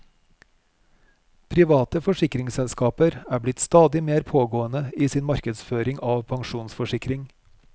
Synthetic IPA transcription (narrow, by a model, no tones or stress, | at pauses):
pʰɾɪʋɑːt̪əfɔʃɪkɾɪŋsɛlskɑːpəɾæːblɪt̪st̪ɑːd̪ɪmeːɾpʰoːɡoːənəiːsiːnmɑɾkəd̪sføːɾɪŋʔɑːʋpʰɑŋʃuːnsfɔʃɪkɾɪŋ